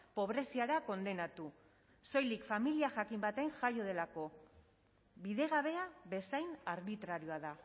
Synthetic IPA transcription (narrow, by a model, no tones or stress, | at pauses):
po̞β̞ɾe̞siaɾako̞nd̪e̞nat̪u | so̞jlikfamiliaʝakimbat̪e̞ŋʝajo̞ð̞e̞lako̞ | βiðe̞ɣ̞aβ̞e̞aβe̞sajnaɾβit̪ɾaɾio̞aða